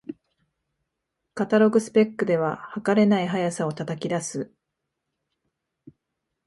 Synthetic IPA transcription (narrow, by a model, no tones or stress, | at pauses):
kat̪aɾo̞ɡɯ̟sɨ̥pe̞kːɯ̟d̪e̞β̞ahakaɾe̞naiɦajasao̞t̪at̪akʲid̪asɨ